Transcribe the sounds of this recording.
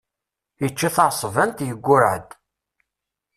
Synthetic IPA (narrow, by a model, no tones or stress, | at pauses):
jət͡ʃːaθɑʕsˤvænt̪jəɡʷːʊɾʕə̰d̪